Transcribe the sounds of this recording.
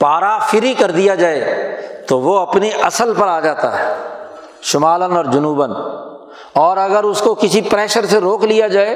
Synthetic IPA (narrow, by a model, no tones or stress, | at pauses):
paːɾafɪɾɦikɐɾd̪ijad͡ʒaːet̪oʋoɐpniʔɐsəlpɐɾaːd͡ʒaːt̪a̰ɦɛː | ʃʊmaːlənɔːɾd͡ʒʊnuːbən | ɔːɾɐɡəɾʊskokɪsipɾɛːʃəɾseɾoːklijad͡ʒaːe